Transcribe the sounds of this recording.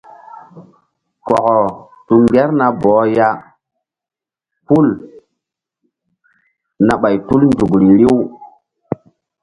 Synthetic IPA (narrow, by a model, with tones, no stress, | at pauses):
kɔ˨kɔ˨ | tu˦ŋɡe˦ɾna˦bɔː˨˦ja˦ | pu˦l | na˨ɓa˨jtu˦lndu˨kɾi˨ɾi˦w